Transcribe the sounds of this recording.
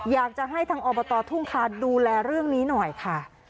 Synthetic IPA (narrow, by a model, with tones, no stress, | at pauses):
jaː˨˩k̚t͡ɕa˨˩ɦa˥˩jt̪ʰaː˧ŋʔɔː˧bɔː˧t̪ɔː˧t̪ʰu˥˩ŋkʰaː˧˥˩duː˧lɛː˧ɾɯ˥˩əŋniː˦˥nɔ˨˩jkʰa˥˩